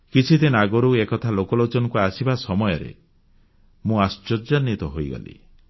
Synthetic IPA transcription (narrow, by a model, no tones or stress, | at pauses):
kit͡ʃʰit̪inaɡɔɾuekɔt̪ʰalokɔlot͡ʃɔnɔkuasibasɔmɔjɔɾḛ | mũast͡ʃɔɾd͡ʒanːit̪ɔɦojɡɔ̰lḭ